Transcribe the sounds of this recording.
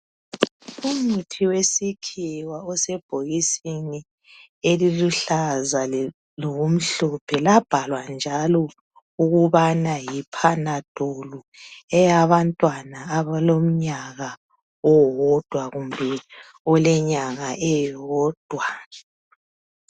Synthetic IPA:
umutʰiwesikʰiwaɔsɛb̥ʱoɣisini | eliluɬaza | lɔβom̩ɬɔpʰɛlab̥ʱalwand͡ʒʱalɔ | uɣuβanajipʰanad̥ʼʱolu | ɛjaβantʼwanaːβalom̩ɲaɣa | ɔwɔd̥ʱwaɣumbʱɛ | ɔlɛɲaɣaʔɛwɔːd̥ʱwa

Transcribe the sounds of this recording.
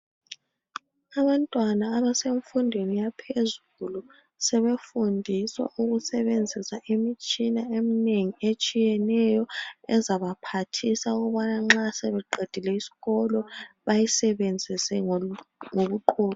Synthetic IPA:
aβantʼwanaːβaseɱfundʱwenijapʰezulu | sɛβefundʱiswa̰ʔuɣusɛβend͡zʱisaʔemit͡ʃʼinaemineŋiet͡ʃʼijɛnɛjɔɛ̰zaβapʰatʰisauɣɔβanaŋ͡ǁasɛβɛǃed̥ʱilɛisi̥ɣɔlɔβajisɛβend͡zʱisɛ | ŋoβuǃʰɔːlɔ

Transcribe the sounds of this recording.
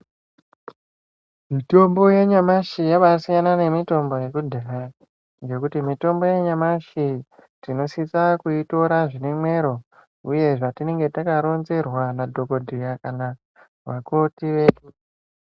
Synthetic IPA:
mito̞mbo̞je̞ɲamaʃijaʋasijanane̞mito̞mbo̞je̞kudʱaɾa | ŋɡe̞kutimito̞mbo̞je̞ɲamaʃi | tino̞sit͡sakuito̞ɾaʐinemwe̞ɾo̞ | uje̞ʐatine̞ŋɡe̞takaɾo̞nze̞rwanadʱo̞ko̞dʱijakana | wa̰ko̞tiʋe̞ːɗu

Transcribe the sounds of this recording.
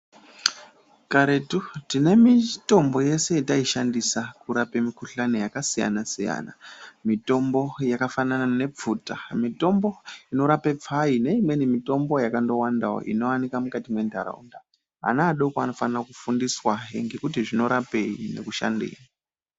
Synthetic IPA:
kaɾetutine̞mito̞mbo̞je̞se̞etaiʃandisakuɾapemikuɬanojakasija̰nasija̰na̰mito̞mbo̞jakafananane̞b͡vutamito̞mbo̞ino̞ɾapep͡faine̞imwe̞nimito̞mbo̞jakando̞wandawo̰ʔḭno̞wanikamukatimwe̞ndʱa̰ɾa̰ṵnda | a̰naːɗokano̞fanrakufundiswaeŋɡe̞kutiʐino̞ɾape̞ine̞̰kuʃa̰ndḛːni

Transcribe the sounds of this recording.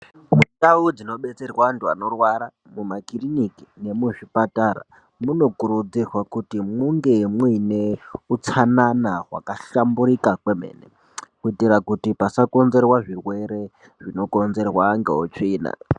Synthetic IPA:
mudaud͡zino̞ɓe̞t͡se̞rwaantua̰no̞rwaɾa | mumakiriniki̥ne̞muʐipataɾa̰ | muno̞kuɾud͡zirwakutimuŋɡe̞mwineut͡sʰananaɦwa̰kaʃambuɾikakwemḛːne | kuitiɾakutipasakonze̞rwaʐirwe̞ɾe̞ | ʐino̞ko̞nze̞rwaŋɡeɦut͡ʂiːna̰

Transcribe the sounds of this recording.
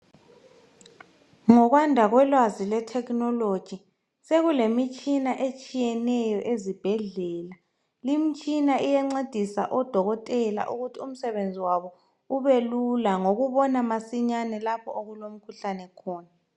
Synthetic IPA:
ŋɔɣwandʱaɣwɛlwazilɛtʰɛknɔlod̥ʒ̥ʱi | seɣulemit͡ʃʼinaʔet͡ʃʼijɛnɛjɔʔezib̥ʱɛɮɛːla | limit͡ʃʼinaʔijɛŋ͡ǀed̥ʱisa̰ʔɔd̥ʱɔɣɔtʼɛla̰ʔuɣutʰium̩sɛβend͡zʱiwaβɔ | uβelulaŋoɣuβɔnamasiɲanɛlapʰɔoɣulom̩kʰuɬanɛkʰɔːna

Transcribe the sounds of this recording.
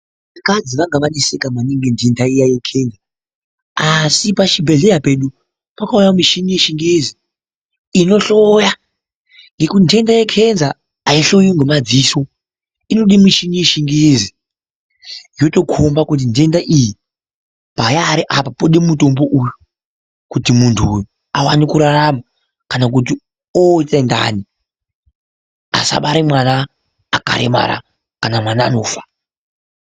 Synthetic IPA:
ʋakad͡ziʋaŋɡaʋanesekamaneŋɡendendaijajekʰe̞nd͡za | asipaʃibʱe̞ɮejape̞ɗu | pakaujamiʃinijeʃiŋɡeziː | no̞ɬoja | ŋɡe̞kutnte̞ndaje̞kʰe̞nzaː | iɬo̞joŋɡemad͡ziso̞ | ino̞ɗimiʃinijeʃiŋɡezi | jo̞to̞kʰombakut̬inde̞ndaʔiji | pajaɾiʔapapoɗemmuto̞mbo̞ʔuju | kutimuntʰuj | awanikuɾaɾama | kanak̬ut̬i | otenda̰ni | a̰sa̰ɓaɾimwanaː | ka̰ɾḛma̰ɾa̰ | kanamwanaːno̞ːfḁ

